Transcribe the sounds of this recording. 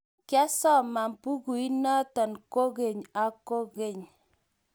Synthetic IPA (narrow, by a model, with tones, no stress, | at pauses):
kja˦sɔ˦˨ma˨m˨pu˦ku˨i˦nɔ˦tɔ˨nko˦ɣe˨ɲa˨ko˦ɡe˨ɲ